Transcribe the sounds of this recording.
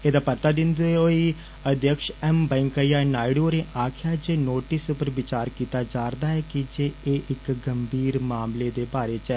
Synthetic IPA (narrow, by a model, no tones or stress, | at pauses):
eːd̪aːpəɾt̪aːd̪ɪnd̪oːɛoːi | əd̪jəkʃɛmbɛ̃ːŋkəjaːnaːɪɽoːɾẽːʔaːkʰjaːd͡ʒeːnoːʈɪsʊpəɾʋɪt͡ʃaːɾkiːt̪aːd͡ʒaːɾd̪aːɦɛːkid͡ʒeːeːʔɪkɡəmbiːɾmaːmleːd̪eːbaːɾeːt͡ʃɛ